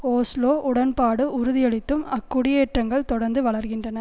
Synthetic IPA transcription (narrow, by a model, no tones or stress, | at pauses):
oːsloːʔʊɽɐnpaːɽɯʔʊɾʊðɪjɛɭɪt̪ːɯmɐkːʊɽɪjeːʈrɐŋɡɐɭt̪ɔɽɐɾnd̪ɯʋɐɭɐɾɣɪndrɐnɐ